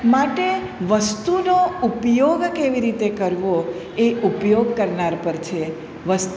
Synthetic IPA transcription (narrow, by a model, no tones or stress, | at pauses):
maʈe | ʋəst̪unoupjoɡkeʋiɾit̪ekəɾʋo | eupjoɡkəɾnaɾpəɾt͡ʃʰe | ʋəst̪